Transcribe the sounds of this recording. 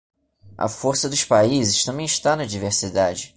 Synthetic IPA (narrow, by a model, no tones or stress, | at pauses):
ʔɐ̰foɾsɐd̪ʊʃpaizɪʃt̪ɐ̃mbẽj̃ɪʃt̪anɐd͡ʒiveχsid̪ad͡ʒɪ